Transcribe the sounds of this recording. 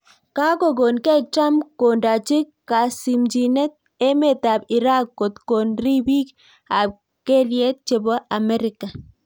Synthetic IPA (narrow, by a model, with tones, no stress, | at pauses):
ka˦ko˦˨ɡo˨nkɛ˦t͡ʃa˦mkːo˨nda˨t͡ʃɪ˦kː | a˨si˨md͡ʒi˨nɛ˦t̪̚ | e˦me˨t̪a˨bi˨ɾa˦kːo˨t̪ko˨nri˦bi˦k | a˨b̚ | ke˦lje˦t̪̚t͡ʃe˨bɔ˦ʔa˨mɛ˦ɾɪka˨